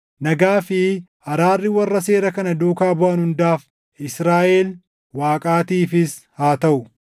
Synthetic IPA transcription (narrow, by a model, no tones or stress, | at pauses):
nɐɡaːfɪhɐɾaːrːɪwɐrːɐse̞ːɾɐkɐnɐd̪uːkaːbʊʔɐnhʊnd̪aːf | ɪsɾaːʔel | waːkʼaːt̪iːfɪshaːt̪ɐʔʊ